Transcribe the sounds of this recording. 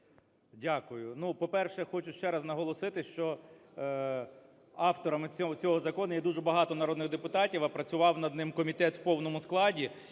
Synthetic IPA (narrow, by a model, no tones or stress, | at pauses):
dʲakʊjʊnupɔpɛrʃɛxɔt͡ʃʊʃt͡ʃɛɾɐznɐɦɔlˠɔsɪt̪ɪʃt͡ʃɔ | ɑwt̪ɔɾɐmɪt͡sʲɔt͡sʲɔɦɔzɐkɔnʊjɛd̪uʒɛbɐɦɑt̪ɔnɐɾɔd̪nɪɣd̪epʊt̪ɑtʲiwɐpɾɐt͡sʲʊʋɑwnɐd̪nɪmkɔmʲit̪ɛt̪wpɔwnɔmʊsklˠɑdʲi